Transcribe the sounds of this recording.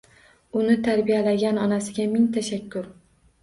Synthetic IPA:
ʊnɪt̪ʰaɾbijalaɡʲanɒnasɪɡʲamɪŋt̪ʰaʃakʲʰːʊɾ

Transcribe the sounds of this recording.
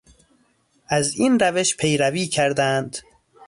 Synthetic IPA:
ʔæziːnɾæveʃpʰe̞jɾæviːcʰæɾd̪ænd̪̥

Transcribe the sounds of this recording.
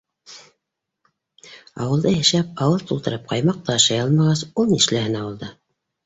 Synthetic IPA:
ɑ̰wɤlˠd̪ɤjæ̆ʃæp̚ɑwɤlˠt̪ulˠt̪ɤ̆ɾɤp̚qʰɑjmɑq̚t̪ɑːʃɑjɑlˠmɑʁɑsulˠniʃlæhɘnɑwɤ̆lˠd̪ɤ

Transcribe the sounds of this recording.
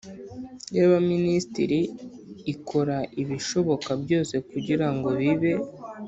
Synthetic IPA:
jaβaministḭɾiː | kʰo̞ɾaʔiβiʃo̞βo̞kabjo̞ːse̞kuɟiɾaŋɡo̞βiβe̞

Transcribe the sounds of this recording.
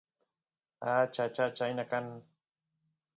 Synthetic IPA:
at͡ʃat͡ʃat͡ʃajnakan

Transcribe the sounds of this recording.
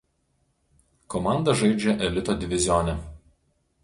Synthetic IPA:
kɔmɑˑnd̪ɐʒɐɪd͡ʒʲɛʔɛlʲɪt̪oːd̪ʲɪʋʲɪzʲɪjonʲɛ

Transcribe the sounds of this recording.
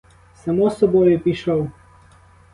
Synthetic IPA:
sɐmosɐbojɛpiʃəw

